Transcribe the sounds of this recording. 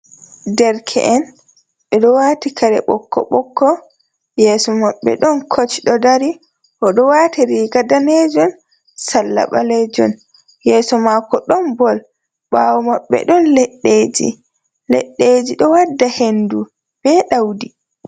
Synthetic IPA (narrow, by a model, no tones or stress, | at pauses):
dɛɾkʰɛ̰ʔɛn | ɓɛɗɔwatikʰaɾɛ̰ɓɔkːɔ̰ɓɔkʰːɔ | jɛːsɔmaɓːɛ̰ɗɔnkʰot͡ʃiɗɔdaɾi | ʔɔɗɔwaːtiɾiːɡadaned͡ʒɔn | salːa̰ɓalɛd͡ʒɔ̰n | jɛːsɔmakɔɗɔnbɔl | ɓawɔmaɓːɛ̰ɗɔnlɛɗːeːd͡ʒḭ | lɛ̰ɗːed͡ʒiɗɔwadːahendu | b̥ɛɗawdi